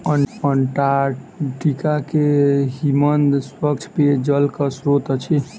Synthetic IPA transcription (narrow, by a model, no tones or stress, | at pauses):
əənʈaʈikakeɦimənd̪swəkt͡ʃʰped͡ʒəlkəsɾot̪ət͡ʃʰi